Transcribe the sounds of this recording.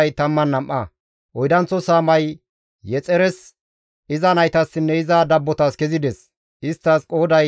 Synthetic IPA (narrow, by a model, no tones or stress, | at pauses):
jt̪ɐmːɐnːɐmʔɐ | ʔɔjd̪ɐnt͡sːɔsaːmɐj | jɛt͡sʼɛɾɛs | ɪzɐnɐjt̪ɐsːɪnːɛɪzɐd̪ɐbːɔt̪ɐskɛzɪd̪ɛs | ɪst̪ːɐskʼo̞ːd̪ɐj